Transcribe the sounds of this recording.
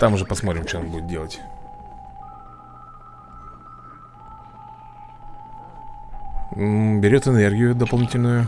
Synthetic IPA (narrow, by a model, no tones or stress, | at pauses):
t̪amʊʐɛpɐsmo̞t̪ɾʲɪmt͡ɕɛonbujɪt̪dʲe̞lˠətʲ | bʲɪɾʲo̞t̪ɨnerɡʲɪjʊd̪əpɐlˠnʲitʲɪlʲnʊjʊ